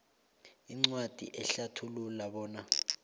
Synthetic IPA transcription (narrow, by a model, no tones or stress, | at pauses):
iŋ͡ǀwad̥ʱḭʔɛɬatʰululaɓɔːna